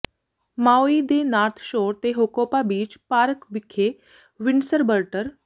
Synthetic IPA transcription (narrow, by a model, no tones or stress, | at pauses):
mawid̪enaɾt̪ʰɕoːɾt̪eɦokopabiːd͡ʒpaɾəkʋikʰe | ʋiɳsəɾbəɾʈəɾ